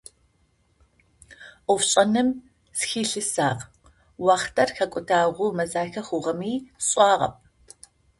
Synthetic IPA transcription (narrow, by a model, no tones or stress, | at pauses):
ʔʊfɕʼɐnɨm | sxiːɬɨsaːq | wɑːχtʰɐrxɐkʷʼʊdaːʁʷʊmɐzaːxɐχʊʁɐmiːɕʼɑːʁɐ̰p̚ʰʼ